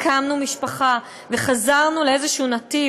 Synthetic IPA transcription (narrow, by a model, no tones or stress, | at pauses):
kʰamnumiʃpaχa | ve̞χazaʁnuleezeʃuunati